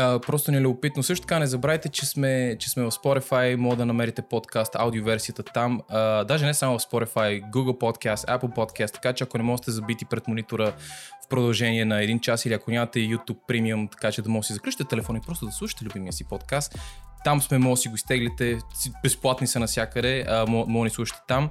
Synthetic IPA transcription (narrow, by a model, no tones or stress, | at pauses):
əpɾɔst̪onɛlʲuɡʊpit̪nosɤʃt̪o̥t̪ɐkanɛzɐbɾavit̪ɛt͡ʃɛsmɛt͡ʃɛsmɛvɐfspoɾifajmɔɡəd̪ɐnɐmɛɾit̪ɛpot̪kast̪a̰wd̪iovɛɾsiət̪ət̪aməd̪aʒɛnɛsamʊvɐfspoɾifajɡuɡəlˠpot̪kʰast̪a̰pl̩ˠpot̪kast̪ːɐ̥kat͡ʃɛɐkonɛmɔʒɛt̪ɛzɐbit̪ipɾɛt̪monit̪oɾəfpɾod̪ɐlˠʒɛniɛnɐɛd̪int͡ʃasiliɐkonʲamɐt̪ɛjut̪upːɾimiəmt̪ɐ̥kat͡ʃɛd̪ɐmɔɡəsizɐklut͡ʃi̥t̪ɛt̪ɛlɛfɔnipɾɔst̪ʊd̪ɐslˠuʃi̥t̪ɛlʲʊbimijəsipot̪kast̪ːamsmɛmɔɡəsiɡoist̪ɛɡlit̪ɛsibɛsplˠat̪nisɐnɐsʲjakəd̪ɛəmɔmɔɡnislˠuʃi̥t̪ɛ̥t̪am